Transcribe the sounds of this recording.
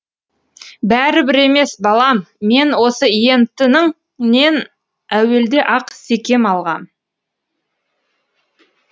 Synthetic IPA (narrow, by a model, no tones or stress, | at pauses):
bæɾɪbɪɾe̞me̞sbɑlˠɑmːe̞nwo̞səije̞nt̪ɪnɪŋ | ne̞n | æwe̞ld̪eʔɑqse̞kʲe̞mɑlˠʁɑm